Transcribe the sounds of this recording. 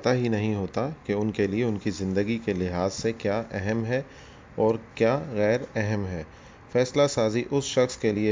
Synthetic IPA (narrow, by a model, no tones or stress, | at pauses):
t̪aɦinɐɦĩɦoːt̪akeʊnkelieʊnkizɪ̃nd̪əɡikelɪɦaːzsekjaːʔɛɦɛmɦɛ | ɔːɾkjaːɣɛːɾɛɦɛmɦɛː | fɛːslasaːziʔʊsʃɐxskelie